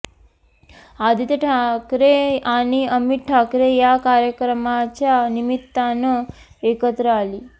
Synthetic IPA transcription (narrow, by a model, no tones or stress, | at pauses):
ad̪it̪eʈʰakɾeaniəmiʈ̪ʈʰakɾejakaɾjəkɾəmat͡ʃanimit̪ːanə | ekət̪ɾəali